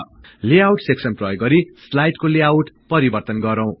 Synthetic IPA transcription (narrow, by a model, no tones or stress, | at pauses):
leawʈseksʌnprʌjɡɡʌɾislajʈkoleawʈpʌɾibʌrt̪ʌnɡʌɾʌw̃